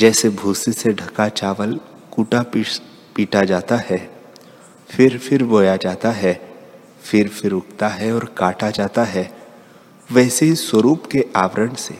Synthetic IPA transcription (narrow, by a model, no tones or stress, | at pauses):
d͡ʒɛːsebʱuːsiseɖʱɐkat͡ʃaːʋəl | kuːʈap | piːʈad͡ʒaːt̪aɦɛ | fʰɪɾfʰɪɾboːjad͡ʒaːt̪aɦɛ | fɪɾfɪɾʊk̚t̪aɦɛɔːɾkaːʈad͡ʒaːt̪aɦɛ | ʋɛːseɦiswəɾuːpkeʔaːʋəɾənsḛː